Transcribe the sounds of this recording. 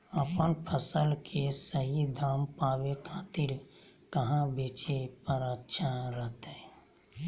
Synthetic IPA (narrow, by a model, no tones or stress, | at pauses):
əpənpʰəsəlkʰesəɦid̪ʱaːmpaːwekʰaːt̪iɾkəɦãbʱeːt͡ʃepəɾətːʃʰaɾəɦt̪ɛ